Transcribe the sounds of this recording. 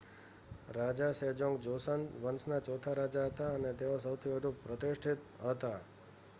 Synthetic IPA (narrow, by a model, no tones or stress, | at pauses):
ɾad͡ʒased͡ʒoŋɡd͡ʒosənʋənsnat͡ʃɔt̪ʰaɾad͡ʒaɦət̪aənet̪eos̬əwt̪ʰibʱəd̪ʱupɾət̪ɪʃʈʰit̪ɦət̪a